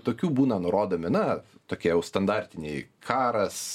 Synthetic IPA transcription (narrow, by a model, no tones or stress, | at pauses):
t̪oːkʲuːbuːnɐnʊɾoːd̪oːmʲɪnɐt̪oːkʲiɛjɛʊst̪ɐnd̪ɑɾʲt̪ʲɪnʲeɪkʰɑːɾɐs